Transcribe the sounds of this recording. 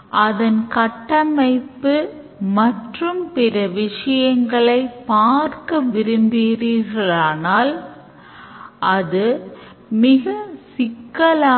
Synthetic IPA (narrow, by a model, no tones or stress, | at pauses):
ʔɐðɐnkɐʈːɐmɐɪpːɯ | mɐʈrɯmpɪɾɐʋɪʂɐjɐŋɡɐɭɐɪpːaːɾkɐʋɪɾɯmbiːɾiːɾɣɐɭaːnaːl | ʔɐðɯ | mɪɣɐsɪkːɐlaː